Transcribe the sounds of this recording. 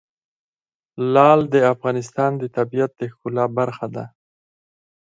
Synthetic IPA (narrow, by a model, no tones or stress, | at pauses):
lɑld̪əafɣɑnɪs̬t̪ɑnd̪ət̪abijat̪̚d̪əxkulɑbaɾxad̪a